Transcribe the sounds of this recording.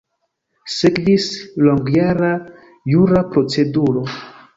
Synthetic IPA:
sekvisloŋɡjaɾa | juɾapɾo̞t͡se̞duɾo̞

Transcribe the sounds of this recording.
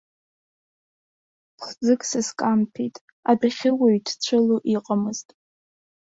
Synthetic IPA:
χd͡zɨkʼsɨskʼampʰijtʼ | adaχʲɪwaɥtʰt͡ɕʷʰɨluʔiqʼamɨz̥tʼ

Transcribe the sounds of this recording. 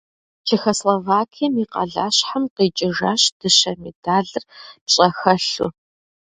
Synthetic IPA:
t͡ʃʰexoslovaːkʰijɐmiːqɐ̰ɮa̰ːɕħamqet͡ʃʼɪʒaːɕd̥ɨɕɐmidaːɮɨrpɕʼɐxɐɬṵ

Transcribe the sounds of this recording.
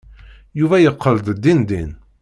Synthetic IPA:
juvæjəqʰːəld̪ˤd̪ːind̪in

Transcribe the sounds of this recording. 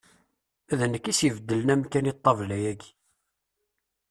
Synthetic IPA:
æðənːəkːisivəd̪ːələnæmkænit̪ˤːɑvlæjæɡ

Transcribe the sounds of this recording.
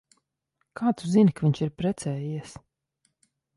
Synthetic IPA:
kʰaːt̪suzinʲkavʲiɲʲt͡ʃiɾpɾɛt̪sɛːjiɛs

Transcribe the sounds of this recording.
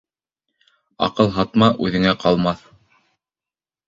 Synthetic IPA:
ɑ̰qɤlˠɦɑt̪mɑʔʉðɘ̆ŋæqɑlˠmɑθ

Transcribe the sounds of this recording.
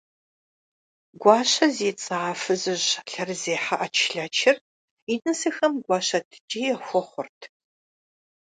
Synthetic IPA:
ɡʷɑːɕɐzeːt͡sʼaːfɨzɨʑɬɐrzeːħaʔɐt͡ʃʰɬɐt͡ʃʰɪr | inɨsɨxɐmɡʷɑːɕɐtʰɨ̥d͡ʒiːɛxʷɔχʷʊrtʰ

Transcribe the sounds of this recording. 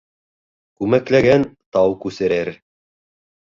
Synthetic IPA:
kʉmæklæɡænt̪ɑwkʉsɘ̆ɾɘɾ

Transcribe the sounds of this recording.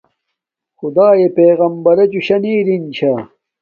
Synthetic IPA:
xʊd̪aːjepeːɣɐmbɐɾɐt͡ɕuɕɐniːɾint͡ɕʰa

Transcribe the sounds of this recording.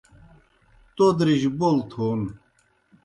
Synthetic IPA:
t̪od̪ɾiʑbolt̪ʰoːn

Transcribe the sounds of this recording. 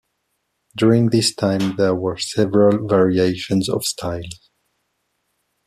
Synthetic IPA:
dʊɹɪ̃ŋðɪstʰãɪ̃mðɛɹwə˞sɛvəɹəlˠvɛɹieɪʃə̃nzɔ̰v̥stʰaɪlˠz̥

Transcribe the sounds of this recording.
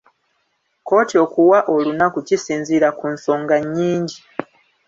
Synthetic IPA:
ko̞ːtio̞kuwaʔo̞lunakucisiːnziɾakunso̞ːŋɡaɲːiːɲɟi

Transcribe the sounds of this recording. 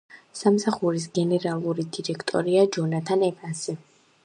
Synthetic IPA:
samsaχuɾis̬ɡɛnɛɾalˠuɾid̪iɾɛkʰt̪ʼɔ̰ɾiad͡ʒɔnat̪ʰanɛpʼansi

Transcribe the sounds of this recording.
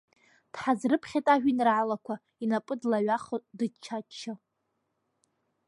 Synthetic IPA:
d̥ħazrɨpʰχʲetʼaʒᶣinrʕalakʷʰa | inapʼɨdlaɥʷaχodɨt͡ʃʰat͡ʃʰːɪ

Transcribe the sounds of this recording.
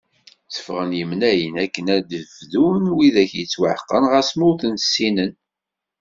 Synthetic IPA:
sə̥fʁənjəmnæjənækːənæd̪əvðunwiðæçjət͡sːwəʕqːənʁæsmʊɾθənsːinən

